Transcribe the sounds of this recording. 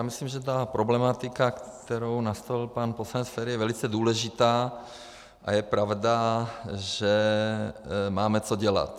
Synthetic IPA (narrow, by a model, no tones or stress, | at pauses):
jaːmislimʒɛt̪̬apɾoblɛmat̪ɪkakt̪ɛɾownast̪olpanposanɛsfɛːɾijɛvɛlɪt͡sɛduːlɛʒɪt̪aː | ʔa̰jɛpɾavda | ʒɛ | maːmɛt͡soɟɛla̰t̪